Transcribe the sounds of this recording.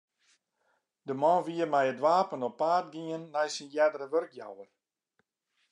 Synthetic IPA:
dəmɔnʋiərmɛjədʋaːpənɔpːaːt̚ɡiənːɛjsinjɛdəɾəʋørkja̰wər

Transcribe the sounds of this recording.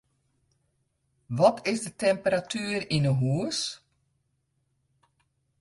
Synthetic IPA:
ʋɔtʰɪzdətɛmpəɾatʰyːrinəɦuəs

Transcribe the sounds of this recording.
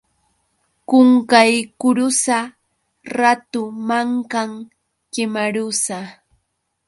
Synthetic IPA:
kʊŋkajkʊɾʊsa | ɾat̪ʊmaŋkaŋ | kɪmaɾʊsa

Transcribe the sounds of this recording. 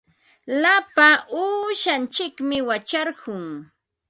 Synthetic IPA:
lapaʔuːʃant͡ʃɪkmɪwat͡ʃɑɾɢʊŋ

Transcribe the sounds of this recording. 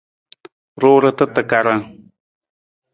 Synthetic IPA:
ɾʊːɾat̪at̪akaɾaŋ

